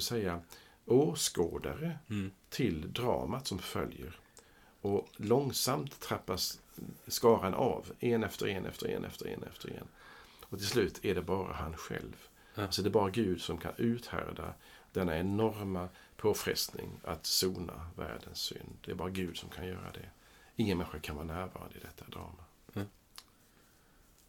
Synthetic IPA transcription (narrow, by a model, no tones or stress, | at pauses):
ɪlsɛjːa | oːskoːd̪aɾət̪ʰɪld̪ɾɑ̰ːmat̪sɔmfœljəɾ | ɔlɔŋsamt̪ʰːɾapːasː | kɑːɾanʔaveːnɛft̪əɾeːnʔɛ̰ft̪ʰəɾḛːnʔɛ̰ft̪əɾḛːnɛ̰ft̪əɾḛːn | ɔt̪ʰɪlslʉ̟ːt̪ʰæɖɛbɑːɾa̰hanɧɛ̰lv | alsɔd̪ɛbɑːɾaɡʉ̟ːd̪sɔmkʰanʉ̟ːt̪hæɾd̪a | d̪̥ɛnːaɛnɔɾma | pʰoːfɾɛ̰st̪nɪŋat̪suːnavæːɖənsːʏ̰nd̪d̪ɛːɾbɑːɾaɡʉ̟ːd̪sɔmkʰanjœːɾa̰d̪ɛ | ɪŋːənmɛnɧəkʰanvɑːɾanæːɾvɑːɾa̰nd̪ɪd̪ɛt̪ʰːad̪ɾɑːma